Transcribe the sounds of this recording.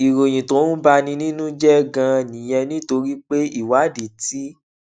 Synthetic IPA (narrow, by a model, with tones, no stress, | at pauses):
i˨ɾo˨j̃ĩ˨to˨˦nũ˦ba˧˦nĩ˧nĩ˦nũ˦d͡ʒɛ˦ɡã˧nĩ˨j̃ɛ̃˧nĩ˦to˧ɾi˦k͡pe˦i˦˨wa˨˦di˨ti˦